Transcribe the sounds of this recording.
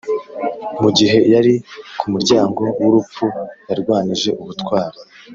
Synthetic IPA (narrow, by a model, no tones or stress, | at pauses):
muɡiɦe̞jaɾikʰumuɾɟaːŋɡo̞wuɾup͡fujaɾɡwaːniʒe̞ʔuβutkwaːɾo